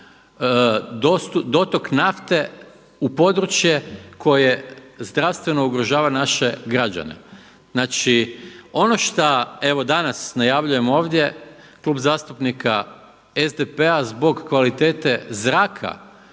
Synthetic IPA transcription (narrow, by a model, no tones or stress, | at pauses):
d̪od̪o̞t̪o̞knaft̪e̞ | upo̞d̪ɾut͡ʃjekʰo̞jezd̪ɾaʋst̪ʋe̞no̞uɡɾoʒaːʋanaʃe̞ɡɾad͡ʒa̰nḛ | znaːt͡ʃio̞no̞ʃt̪ae̞ʋo̞d̪anasnajaʋʎuje̞mo̞ːʋd̪ʲje̞ | klˠuːbzaːst̪upnika | ezd̪epeazbo̞ɡkːʋalit̪eːt̪e̞zɾaːkʰa̰